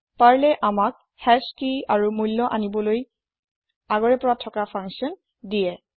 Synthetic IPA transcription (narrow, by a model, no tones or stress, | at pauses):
paɹlɛʔamak̚ | hɛskiaɹumujlːɔʔanibɔloj | aɡɔɹɛpɔɹatʰɔkapʰãŋksiɔn | dijɛ